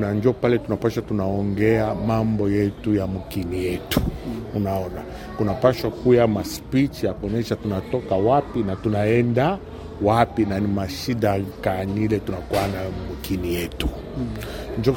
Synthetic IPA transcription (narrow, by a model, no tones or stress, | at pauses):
naɲd͡ʒɔpalɛtunapaʃwatunaɔŋɡɛamambɔjɛtujamukinijɛtu̥ːnaɔna | kunapaʃwakujamaspit͡ʃijakɔɲɛʃatunatɔkawapinatunaɛnda | wapinanimaʃiɗakanilɛtunakuanamukinijɛtu̥ | ɲd͡ʒɔ